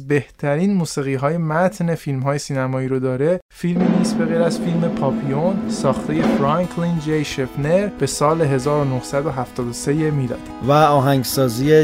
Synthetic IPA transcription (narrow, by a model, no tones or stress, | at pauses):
zbe̞ht̪ʰæɾiːnmuːsiːɣiːɦɒːje̞mæt̪ʰne̞filmɦɒːjesiːnæmɒːiːɾod̪ɒːɾe̞filminiːsbe̞ɣejɾæzfilme̞pʰɒːpʰijonsɒːxt̪ʰe̞je̞fɾɑŋkʰlind͡ʒejʃefneɾb̥e̞sɒːleɦe̞zɒːɾono̞hsæd̪oɦæft̪ʰɒːd̪ose̞jemiːd̪ɒ̰ːd̪̥væɒːɦæŋɡsɒːzije